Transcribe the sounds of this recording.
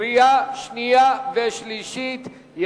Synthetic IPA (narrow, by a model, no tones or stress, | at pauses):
ijaʃnijaveʃliʃit̪ | j